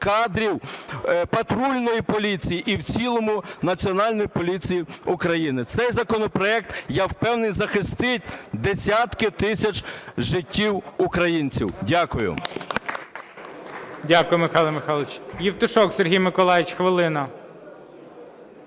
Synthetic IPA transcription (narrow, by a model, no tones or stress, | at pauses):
kɑd̪ɾʲiwpɐt̪ɾulʲnɔjipɔlʲit͡sʲijiʔiwt͡sʲilˠɔmʊnɐt͡sʲiɔnɑlʲnɔjipɔlʲit͡sʲijiʊkɾɐjinɪt̪sɛjzɐkɔnɔpɾɔɛk̚t̪jɛwpɛwnenʲzɐxɪst̪ɪt̚ʲd̪esʲat̪kɪt̪ɪsʲɐt͡ʃʒɪtʲːiwʊkɾɐjinʲt͡sʲḭwdʲakʊjʊ̰ | dʲakʊjʊmɪxɑlˠɐmɪxɑlˠɪt͡ʃjiwt̪ʊʃɔkserɦʲijmɪkɔlˠɑjɪt͡ʃxʋɪlˠɪnɐ